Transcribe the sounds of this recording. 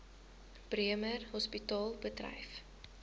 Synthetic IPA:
b̥riəmərhɔspitɑːlˠbədrɐ̰jf

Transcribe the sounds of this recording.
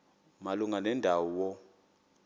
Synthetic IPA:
maluŋanɛndʱawɔwɔ

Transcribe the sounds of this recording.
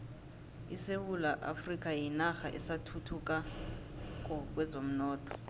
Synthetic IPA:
isewulaʔa̰frik̬ʼajinaxaʔɛ̰satʰutʰuk̬ʼa | k̬ʼɔk̬ʼwɛzʱom̩nɔːtʰʼɔ̥

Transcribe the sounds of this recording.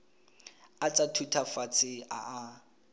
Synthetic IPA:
at͡sʼatʰutʰafat͡sʰɪa̰a

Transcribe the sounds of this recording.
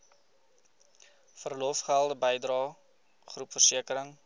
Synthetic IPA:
fərlɔfχælˠdəbəjdrɑː | χrupfərsiəkəɾəŋ

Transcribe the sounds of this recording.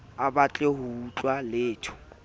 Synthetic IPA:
abat͡ɬʼeɦʊut͡ɬʼwaleːtʰʊ̥

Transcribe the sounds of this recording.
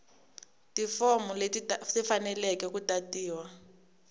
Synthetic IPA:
tifɔmuletisifanɛlɛkɛkutatiːwa

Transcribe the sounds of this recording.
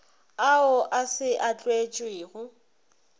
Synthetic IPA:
aʊʔasɪʔat͡ɬʼwet͡ʃʼwɪːɣʊ

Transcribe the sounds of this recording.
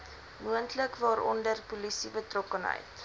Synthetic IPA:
muəntləkvɑːɾɔ̰ndərpulisibətrɔkənɦə̰jt

